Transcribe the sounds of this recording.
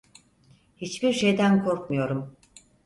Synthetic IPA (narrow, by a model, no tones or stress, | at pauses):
hit͡ʃbiɾʃe̞jd̪ænkʰo̞ɾkmujo̞ɾum